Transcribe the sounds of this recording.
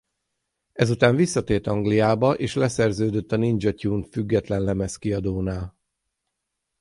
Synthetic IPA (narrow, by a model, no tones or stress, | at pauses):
ɛzut̪aːɱvisːɒt̪eːrt̪ɒŋɡlijaːbɒʔeːʃlɛsɛrzøːd̪øt̪ːɒnind͡ʒɒcuːnfyɡːɛt̪lɛnlɛmɛskiɒd̪oːnaːl